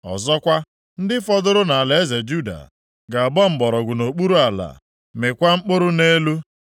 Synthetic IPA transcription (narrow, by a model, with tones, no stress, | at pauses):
ɔ̰˨zɔ˦kʷa˦ | n̩˦dɪ˦fɔ˦dʊ˦ɾʊ˦na˨a˨le˨e˦ze˨d͡ʒu˦da̰˨ | ɡa˨bɔ˦m̩˨bɔ˨ɾɔ˨ɡʷu˨no˨k͡pu˦ɾu˦a˨la̰˨ | me˨kʷa˦ŋ͡m̩˦k͡pʊ˦ɾʊ˦ne˦lu˦